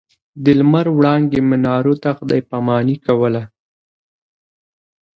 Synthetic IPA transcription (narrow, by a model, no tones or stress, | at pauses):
d̪ɪlmaɾwɽɑŋɡ̪emɪnɑɾot̪axd̪ɑjpamɑnikawəla